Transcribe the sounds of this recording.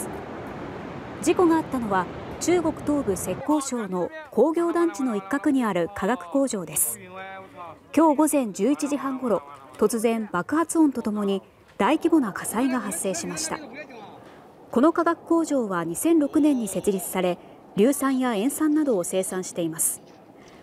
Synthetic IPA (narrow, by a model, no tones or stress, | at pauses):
d͡ʑiko̞ɡaːt̪ːano̞βa | t͡ɕɨːɡo̞kɯ̟̥t̪o̞ːbɯ̟se̞kːo̞ːɕo̞ːno̞kʰo̞ːɡʲo̞ːd̪ãɲt͡ɕino̞ikːakɯ̟ɲ̟iaɾɯ̟kʰaɡakɯ̟̥ko̞ːʑo̞ːd̪e̞sɨ̥ | kʲo̞ːɡo̞zẽ̞ɲ̟d͡ʑɨːit͡ɕiʑiɦãŋɡo̞ɾo̞t̪o̞t͡sɨzẽ̞mbakɯ̟hat͡sɨõnt̪o̞t̪o̞mo̞ɲ̟i | d̪̥aikʲibo̞nakʰasaiɡaɦasːe̞ːɕimaɕi̥t̪a̰ | ko̞no̞kaɡakɯ̟̥ko̞ːʑo̞ːβaɲ̟isẽ̞nɾo̞kɯ̟nẽ̞ɲ̟ːise̞t͡sɨɾʲit͡sɨ̥saɾe̞ | ɾʲɨːsãɰ̃jaẽ̞ɰ̃sãnːad̪o̞ːse̞ːsãɰ̃ɕi̥t̪e̞imasɨ̥